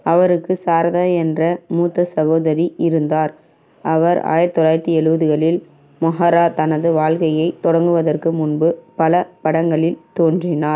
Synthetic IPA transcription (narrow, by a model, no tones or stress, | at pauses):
ɐʋɐɾɯkːɯsaːɾɐðaːɛndrɐmuːt̪ːɐsɐɣoːðɐɾiɪɾɯnd̪aːɾ | ɐʋɐɾa̰ːjɪɾɐt̪ːɔlaːjɪɾt̪ːiɛɻɯʋɐðɯɣɐɭɪl | mʊɦɐɾaːt̪ɐnɐðɯʋaːɭkɐjɐɪt̪ɔɽɐŋɡɯʋɐðɐrkɯmʊnbɯpɐlɐpɐɽɐŋɡɐɭɪlt̪oːndrɪnaːɾ